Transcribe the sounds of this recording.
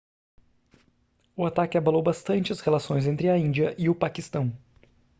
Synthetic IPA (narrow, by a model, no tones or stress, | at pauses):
ʊat̪akɪabalowbast̪ɐ̃nt͡ʃɪɐshelasõj̃zẽnt̪ɾɪɐĩnd͡ʒiɐʔɪʊpakist̪ɐ̃w̃